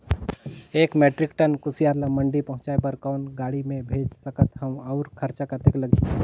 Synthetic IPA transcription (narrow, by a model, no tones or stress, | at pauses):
eːkmeːʈɾɪkʈənkʊsijaːɾlamə̃ɳɖipɐɦʊ̃t͡ʃaebəɾkɔːnɡaːɽimẽbʱeːd͡ʒsəkət̪ɦɐmɐʊɾkʰəɾt͡ʃakat̪ekləɡʱi